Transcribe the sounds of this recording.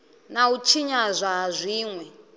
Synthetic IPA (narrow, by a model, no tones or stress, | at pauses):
naut͡ʃʰiɲazʷaɦazʷiːŋwɛ